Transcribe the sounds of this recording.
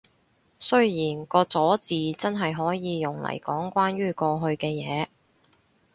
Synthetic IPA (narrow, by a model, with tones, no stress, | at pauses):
sɵ˥ɥjiː˨˩nkɔː˧t͡sɔː˨˥t͡siː˨t͡sɐ˥nɦɐ˨jɦɔː˨˥jiː˨˧jʊ˨ŋlɐ̰˨˩jkɔː˨˥ŋkʷaː˥nɥyː˥kɔː˧ɦɵ˧ɥkɛː˧jɛː˨˧